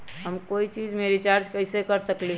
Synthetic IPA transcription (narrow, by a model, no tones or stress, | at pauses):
ɦəmkoit͡ʃiːd͡ʒmeɾit͡ʃaɾd͡ʒkəɪsekəɾsəkli